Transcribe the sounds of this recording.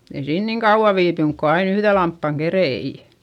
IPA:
ei siːn niŋ kɑuʋ̆ɑ ʋiːpyŋk ko ɑin yhðe lɑmpːɑŋ kerei

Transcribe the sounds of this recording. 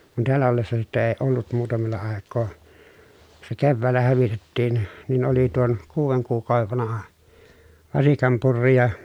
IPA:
kun teælːæ olːesːɑ sitːe eː olːut muːtɑmelːɑ ɑˑekːoː se keʋːæːlːæ hæʋitetːiːn nin oli tuon kuːʋeŋ kuːkˑɑˑoʋeʋ ʋɑnɑhɑ ʋɑsikɑm purːi jɑ

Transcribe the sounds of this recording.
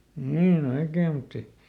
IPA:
niːn oikeː mutː e

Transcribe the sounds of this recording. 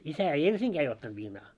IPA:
isæ ei ensiŋɡ̊æː ei otːɑnt ʋiːnɑː

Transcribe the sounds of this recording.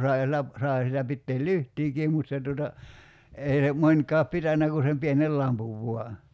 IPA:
sɑi̞ sielˑæ sɑi sielæ pitːeːl lyhtˑiːkiːm mut se tuotɑ ei ne monʲkɑːp pitænːæ ku sem pienel lɑmpuʋ ʋuɑ

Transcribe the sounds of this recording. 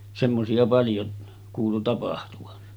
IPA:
semːosiɑ pɑljo kuːlu tɑpɑhtuʋɑn

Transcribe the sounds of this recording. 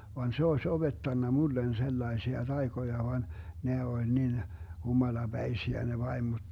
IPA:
ʋɑn se oesʲ ob̥etːɑnːɑ mulːen selːɑesiɑ tɑikojɑ ʋɑn ne olʲ nin humɑlɑb̥æisiæ ne ʋɑimod̥

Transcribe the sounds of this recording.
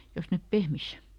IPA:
jos nep pehmis

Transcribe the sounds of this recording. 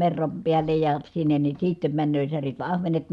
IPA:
merːɑm piælːej jɑ sinːen ni siːtːem mænːøː særit ʋɑ ɑhʋenet

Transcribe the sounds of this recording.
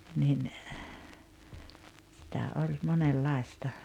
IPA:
nin sitæ olʲ monelːɑˑestɑ

